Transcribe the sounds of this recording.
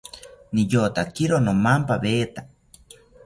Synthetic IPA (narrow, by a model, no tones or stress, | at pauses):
nijot̪akiɾonomampaβeːt̪a